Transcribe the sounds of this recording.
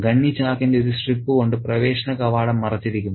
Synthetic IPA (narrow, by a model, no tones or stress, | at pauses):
ɡɐɳːit͡ɕaːkːindeoɾusripːɨkoɳɖɨprɐʋe̞ːɕɐnɐkɐʋaːɽɐmːɐrɐt͡ɕːiɾikʲːunː